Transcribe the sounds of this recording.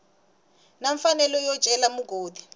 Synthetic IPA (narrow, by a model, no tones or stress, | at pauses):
naɱfanɛlɔjɔ̥ʒ̥ʱɛlamuɡʱoːdʱi̥